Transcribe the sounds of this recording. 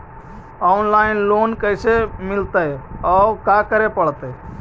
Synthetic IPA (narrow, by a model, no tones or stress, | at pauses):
ɔʊnlaːɪnloːnkəɪsemɪlt̪əɔkakəɾepəɽt̪ə